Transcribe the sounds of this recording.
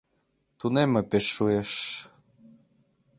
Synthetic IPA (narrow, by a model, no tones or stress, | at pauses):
t̪unemɘ̆peʃːueʃ